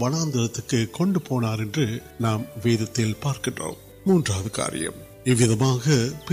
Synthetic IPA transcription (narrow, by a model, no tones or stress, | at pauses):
ʋɐnaːnd̪ɐɾɐt̪ːɯkːɯkːɔɳɖɯpoːnaːɾɛndrɯ | naːmʋeːðɐt̪ːɪlpaːɾkɪɳro̰ːm | muːndraːðɯka̰ːɾɪ̰jɐ̰m | ɪʋːɪðɐmaːɣɐpɪ